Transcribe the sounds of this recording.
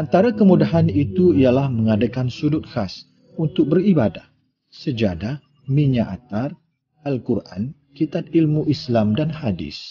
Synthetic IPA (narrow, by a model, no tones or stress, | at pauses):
ʔant̪aɾakəmudaɦanit̪uijalahməŋadakansudʊt̪̚xas | unt̪ʊk̚bəribadah | səd͡ʒadah | miɲaʔa̰t̪ar | alkurʔa̰n | kit̪at̪̚ilmuʔislamdanhadɪ̰s